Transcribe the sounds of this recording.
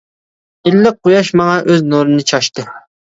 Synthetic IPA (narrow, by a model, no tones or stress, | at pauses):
ɪlːɪq̚ːojɑʃmɑŋɑʔøznoɾɨnɨt͡ʃʰɑʃt̪ɨ